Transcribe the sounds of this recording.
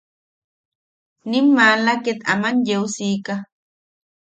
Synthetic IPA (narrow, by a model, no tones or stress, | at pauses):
nimːalaket̪a̰manjewsiːka